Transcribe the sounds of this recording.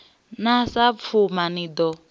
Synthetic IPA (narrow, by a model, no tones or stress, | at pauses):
nasap̪fʰumanid̪ɔ